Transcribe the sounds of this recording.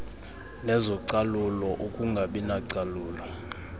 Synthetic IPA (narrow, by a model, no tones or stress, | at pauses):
nɛzɔǀalulɔʔukʼuŋɡʱaɓinaǀaluːlɔ